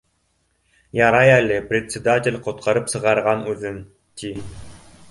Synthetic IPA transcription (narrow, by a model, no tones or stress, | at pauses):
jɑɾɑjælʲːɘpɾʲɪt̪ʲsʲɪd̪atʲɪlʲqut̪̚qʰɑɾɯpsɤ̆ʁɑɾʁɑnʉðɘn | t̪ʲi